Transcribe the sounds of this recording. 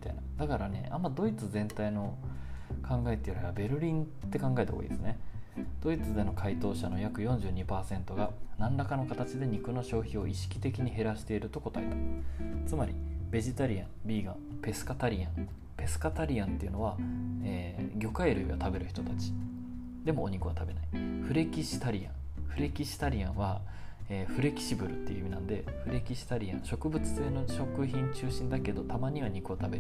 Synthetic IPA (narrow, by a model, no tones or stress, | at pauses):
mmit̪ainad̪akaɾane̞̰ʔa̰mːad̪o̞it͡sɨzẽ̞nt̪aino̞ | kʰãŋɡaet̪ːeɾɯbabe̞ɾɯ̟ɾʲĩnt̪ːe̞kãŋɡae̞t̪eo̰ḭd̪esɨne̞d̪̥o̞it͡sɨd̪e̞no̞kʰait̪o̞ːɕano̞jakɯ̟jõ̞ɲ̟d͡ʑɨːɲ̟ipaːsẽ̞nt̪o̞ɡanãnɾakano̞kat̪at͡ɕid̪e̞ɲ̟ikɯ̟no̞ɕo̞ːçio̞ʔiɕi̥kʲi̥t̪e̞kʲiɲ̟iɦe̞ɾaɕi̥t̪e̞iɾɯ̟t̪o̞ko̞t̪aet̪at͡sɨmaɾʲibe̞ʑit̪aɾʲiã̰mbʲiːɡã | pe̞sɨ̥kat̪aɾʲiãŋ | pe̞sɨ̥kat̪aɾʲiãnt̪e̞iɯ̟no̞β̞aeːɡʲo̞kaeɾɯ̰jot̪abe̞ɾɯ̟çi̥t̪o̞t̪at͡ɕi̥ | d̪e̞mo̞ːɲ̟ikɯ̟βat̪abe̞nai̥ɸɯ̟ɾe̞kʲiɕi̥t̪aɾʲiã̰ŋ | ɸɯ̟ɾe̞kʲiɕi̥t̪aɾʲiãɰ̃βa | eːɸɯ̟ɾe̞kʲi̥ɕibɯ̟ɾɯ̟t̪ːe̞iɯ̰imʲinãnd̪e̞ɸɯ̟ɾe̞kʲiɕi̥t̪aɾʲiã̰ɰ̃ɕo̞kɯ̟bɯ̟t͡sɨ̥t̪enoɕo̞kɯ̟çĩɲ̟t͡ɕɨːɕĩnd̪ake̞d̪o̞t̪amaɲ̟iβaɲ̟ikɯ̟ot̪abe̞ɾ